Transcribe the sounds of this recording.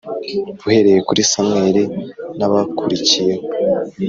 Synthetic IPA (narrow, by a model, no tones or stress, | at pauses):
βuhe̞ɾe̞je̞kuɾisamŋeːɾinaβakʰuɾicijeho